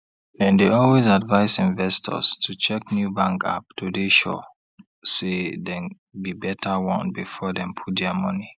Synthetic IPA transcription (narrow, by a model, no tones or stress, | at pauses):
dɛ̃ndeɔlwezadvaɪsĩnvɛstʰɔ̰stʰut͡ʃɛk̚njubãŋka̰p̚tʰudeʃɔ̰ | sedɛ̃n | bibɛtʰawɔ̃nbifɔdɛ̃mpʰut̚dɛmɔni